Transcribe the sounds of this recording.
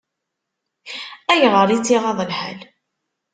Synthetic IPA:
æʝʁˤəɾˤit͡sːiʁɑðˤəlħa̰l

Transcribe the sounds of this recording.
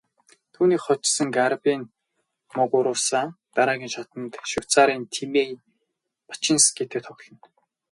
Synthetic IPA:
t̪ʰuːniːkχɔt͡ɕsə̆ŋɡarpʲin | mʊɣʊɾʊːsaːn | t̪aɾaːɣʲiːnʃat̪ə̆nt̪ʃʊwt͡saːɾiːnt̪ʰimej | pḁt͡ɕɪ̆nsɡet̪ĕkt̪ʰɔkɮɞ̆n

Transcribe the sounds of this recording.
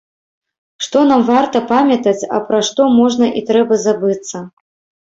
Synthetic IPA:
ʂt̪ɔnamvart̪ɐpamʲɐt̪ɐt͡sʲɐ̰pɾaʂt̪ɔmɔʐnɐʔit̪ɾɛbɐzabɨt̪sːɐ

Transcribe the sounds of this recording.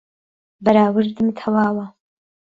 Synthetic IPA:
bɐɾaːwɨɾd̪ɨmt̪ʰɐwaːwɐ

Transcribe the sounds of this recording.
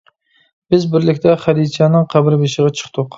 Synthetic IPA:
b̥ɪzbɪɾlɪkʲt̪ʰɛχæd̪it͡ʃʰɑnɨŋqʰæbɪɾbʃəʁɑt͡ʃʰə̥χt̪ʰʊq

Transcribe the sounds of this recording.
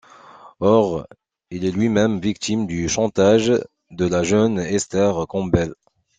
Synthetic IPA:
ɔʁ | ilɛlɥimɛmvik̚t̪imd̪yʃɑ̃t̪aʒ | d̪əlaʒœnɛst̪ɛʁkɔ̃bɛl

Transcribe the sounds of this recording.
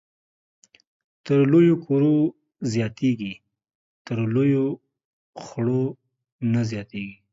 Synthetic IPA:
t̪əɾlojokʰoɾo | zjɑt̪eɡi | t̪əɾlojo | xɽo | nazjɑt̪eɡi

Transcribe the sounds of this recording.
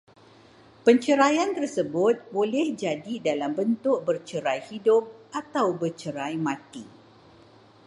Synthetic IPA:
pəɲt͡ʃəɾajant̪ərsəbʊt̪̚bolɛhd͡ʒadidalambənt̪ʊk̚bərt͡ʃəɾajhidʊp̚ʔat̪awbərt͡ʃəɾajmãt̪i

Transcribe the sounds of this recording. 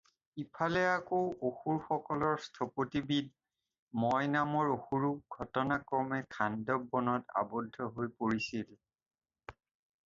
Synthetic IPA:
ipʰalɛakowoxuɹxɔkɔlɔɹstʰɔpotibid | mɔjnamɔɹoxuɹuɡʱɔtɔnakɹɔmɛkʰandɔbːɔnɔta̰bɔdʱːɔɦojpoɹisil

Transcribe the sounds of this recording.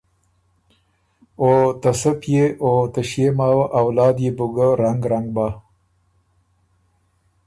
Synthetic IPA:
ot̪asəpjeot̪əʃjemaːwaʔawlɑːd̪jebʊɡəɾaŋɡɾaŋɡ̚baː

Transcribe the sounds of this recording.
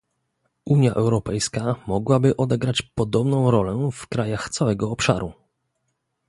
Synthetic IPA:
ʔuɲjaʔɛwɾɔpɛjskamɔɡwabɘʔɔd̪ɛɡɾat͡ɕpɔd̪ɔbnɔ̃w̃ɾɔlɛfkɾajaxt̪sawɛɡɔːpʂa̰ɾu

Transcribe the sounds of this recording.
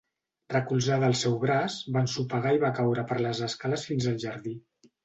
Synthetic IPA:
rrəkulˠzaðəlˠsɛwɣɾazbansupəɣaiβakawɾəpəɾləzəskaləsfinzəlˠʒəɾði

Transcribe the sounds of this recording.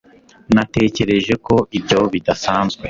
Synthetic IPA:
nate̞ːce̞ɾe̞ʒe̞ko̞ʔibɟo̞βidasaːnzɡwe̞

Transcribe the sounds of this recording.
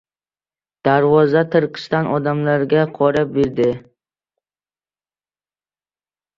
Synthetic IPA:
d̪̥aɾvɒzat̪ʰɨɾqʰɨ̥st̪anʔɒd̪amlaɾɡʲaqʰɒɾap̚beɾd̪ɪ

